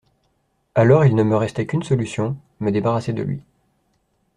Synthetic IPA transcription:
alɔʁilnəməʁɛst̪ɛkʲynsɔlysjɔ̃ | məd̪ebaʁased̪ə̰lɥḭ

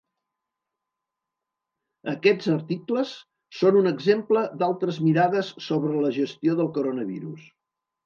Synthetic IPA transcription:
əkɛd͡zəɾt̪ikləsː | onunəɡzempləd̪alˠt̪ɾəzmiɾaðəsːoβɾələʒəst̪ioðəlˠkoɾonəβḭɾṵs

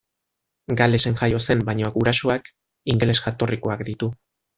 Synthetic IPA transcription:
ɡale̞se̞ŋʝajo̞se̞mbaɲoaɡuɾasoak | iŋɡele̞sʝat̪o̞riko̞akd̪it̪u

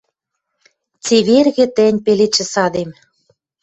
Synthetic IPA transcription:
t͡seβerɣĕt̪ĕnʲpelet͡ɕɘ̆sɑd̪em

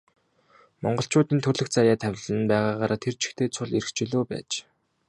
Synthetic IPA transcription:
mɔ̰ɴɢɞ̆ɬt͡ɕʰʊːt̪iːnt̪ʰɵrɮɵ̆xt͡sajaːt̪ʰæwʲɮɘ̆npæːʁaːʁaːɾʔaːt̪ʰert͡ɕʰɪ̥̆xt̪ʰeːt͡sʰʊɮiɾɘ̆xt͡ɕiɮoːpæ̰ːt͡ɕ

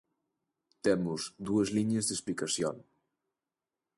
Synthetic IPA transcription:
t̪ɛmuzd̪uəzliɲezðesplikasjo̰n

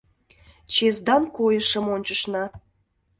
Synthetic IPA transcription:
t͡ɕezd̪ɑnkojəʃəmonʲt͡ɕəʃnɑ

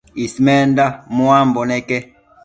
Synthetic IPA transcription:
ismɛndamuambɔnɛkɛ

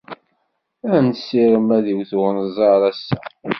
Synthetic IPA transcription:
ænsːiɾəmæðiwθwnəzˤɑɾˤæsːæ

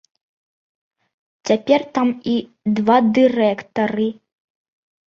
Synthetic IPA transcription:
t͡sʲapʲɛrt̪ami | d̪vad̪ɨɾɛkt̪ɐɾɨ

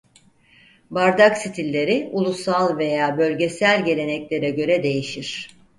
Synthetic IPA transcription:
baɾd̪aksit̪ʰilʲːe̞ɾiulˠusalˠve̞jaːbø̞lʲɟe̞sælʲɟe̞lʲe̞nɛclʲe̞ɾɛɟø̞ɾɛd̪e̞jiʃiɾ̥

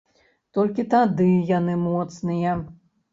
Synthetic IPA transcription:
t̪ɔlʲkʲit̪ad̪ɨjanɨmɔt̪snɨjɐ

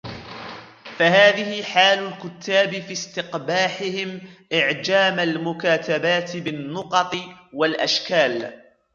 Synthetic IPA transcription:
fahaːðɪhɪħaːlʊlkʊt̪ʰːaːbɪfist̪ɪqbaːħɪhɪmʔɪʕd͡ʒaːmalmʊkaːt̪abaːt̪ɪbɪnːʊqɑt̪ˤɨwalʔa̰ʃkaːl

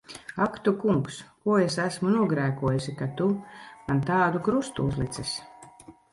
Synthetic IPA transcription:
akt̪ukuŋkskuɔesæsmunuɔɡɾæːkuɔjusikat̪uɡant̪aːd̪ukɾust̪uuzlˠit̪sɛs

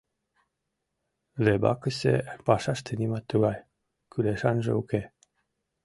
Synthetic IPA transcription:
lebɑ̰kəsḛpɑʃɑʃt̪ʰənimɑt̪ːuɡɑj | kʰyleʃɑnʒḛuke

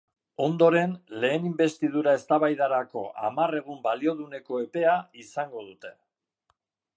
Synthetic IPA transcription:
o̞nd̪o̞ɾe̞nle̞ːnimbe̞st̪ið̞uɾae̞st̪aβajðaɾako̞̰ʔa̰mare̞ɣumbalio̞ð̞une̞ko̞e̞pe̞aisaŋɡo̞ð̞ut̪e̞

